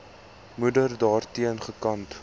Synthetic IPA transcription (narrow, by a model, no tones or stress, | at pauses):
mudərdɑːrtiənχəkɐnt